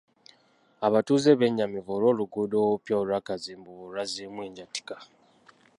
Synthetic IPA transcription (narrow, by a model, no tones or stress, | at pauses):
aβatuzeβeɲːamivoːlo̞ːluɡudowpjaolwakaziːmbuβoluwazimwiːɲɟati̥kḁ